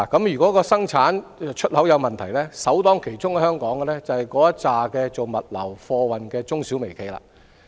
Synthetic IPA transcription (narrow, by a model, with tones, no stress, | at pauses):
kɐ˨˥mjyː˨kɔː˨˥kɔː˧sɐ˥ŋt͡sʰaː˨˥n˨˧t͡ʃʰɵ˥t̚hɐ˨˥wjɐ˨˧wmɐ˨nt̪ʰɐ˨˩jlɛ˥sɐ˨˥wt̪ɔː˥ŋkʰe˨˩jt͡sʊ˥ŋkɛ˧hœː˥ŋkɔː˨˥ŋɡɛ˧lɛː˥t͡sɐ˨whɐ˨jkɔː˨˥jɐ˥t͡saː˨kɛː˧t͡so˨wmɐ˨t̚lɐ̰˨˩wfɔː˧wɐ˨nkɛː˧t͡sʊ˥ŋsi˨˥wme˨˩jkʰe˨˩jla̰ː˧